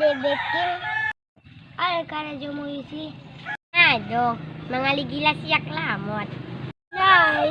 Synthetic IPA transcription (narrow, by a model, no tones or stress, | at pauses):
bɛbekil | akaɾad͡ʒɔmoisi | ad͡ʒɔmaŋaliɡilasiak̚lamɔt̪̚ | na